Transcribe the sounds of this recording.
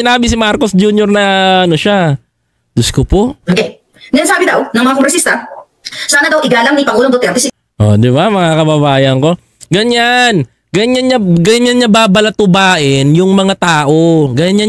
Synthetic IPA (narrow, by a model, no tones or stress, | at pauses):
ɪnaːbɪsɪmaɾkosd͡ʒuːɲjoɾnɐʔɐnoʃa | d̪̥ʊskʊpoʔoke | nɐsaːbɪd̪ɐwnɐŋmɐŋakoŋɾɛsist̪ɐ | saːnɐd̪ɐwʔɪɡaːlaŋnipɐŋuːloŋd̪ot̪ɛɾt̪ɛsɪ | ʔo̰d̪ɪbamɐŋakɐbɐbaːjɐŋko̞ | ɡɐɲan | ɡɐɲanɲaɡɐɲanɲababɐlɐt̪ʊbaːʔɪnjʊŋmɐŋat̪aːʔo̞ɡɐjaɲa